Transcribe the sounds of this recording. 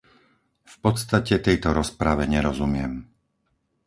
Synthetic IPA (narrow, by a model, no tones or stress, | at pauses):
fpɔt̪st̪acɛt̪ɛjt̪ɔɾɔspɾaʋɛɲɛɾɔzumɪɛm